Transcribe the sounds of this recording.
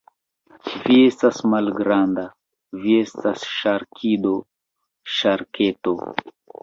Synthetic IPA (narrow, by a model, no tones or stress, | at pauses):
viestasmalɡɾand̪a | viest̪asʃaɾkʰid̪o | ʃaɾkʰet̪o